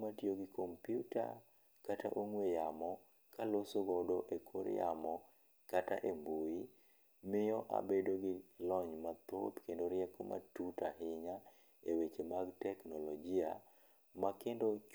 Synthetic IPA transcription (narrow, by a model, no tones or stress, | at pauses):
matjoɡɪkompjuta̰ | katʰa̰ʔoŋwejamɔ | kalosoɡɔdoʔekʰoɾja̰mɔ | kata̰ʔembui | mɪjɔʔa̰bedoɡɪlɔɲmat̪o̰t̪kendoɾjɛkomʔa̰tutaɦɪɲa | ewet͡ʃemaɡtɛknɔlɔd͡ʒia̰ | makendot͡ʃ